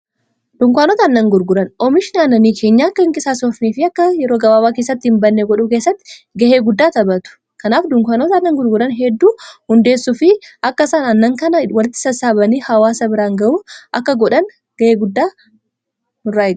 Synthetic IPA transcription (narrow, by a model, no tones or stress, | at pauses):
d̪̥ʊŋkʊaːnɔːt̪ɐːnːɐŋɡʊɾɡʊɾɐnɔmɪʃɪnɐnːɐniːkʰe̞ːɲːakːɐɪŋkʼɪsaːsɔfneːfɪɐkːɐjɛɾoːɡɐbaːbaːkeːs̬ːɐt̪ːɪhɪmbɐnːeɡɔᶑukeːsːɐt̪ːɪ̥ɡɐheːɡʊd̪ːaːt̪ɐbɐt̪ʊ̥ | kɐnaːfd̪ʊŋkʊaːnɔt̪ɐnːɐŋɡʊɾɡʊɾɐnɦɛd̪ːuːhʊnd̪e̞ːsːʊfɪʔɐkːɐsaːnɐnːɐŋkɐnɐwɐlɪt̪ːɪ̥sɐsaːbɐniːhɐwaːsɐbɪɾaːŋɡɐʔuːʔɐkːɐɡɔᶑɐn | ɡ̥ɐheːɡʊd̪ːaː | nʊrːaːɛɡ